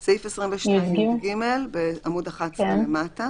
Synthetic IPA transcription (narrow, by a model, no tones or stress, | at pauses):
seifesʁimveʃdiɡimelbeamudaχatkt͡slemata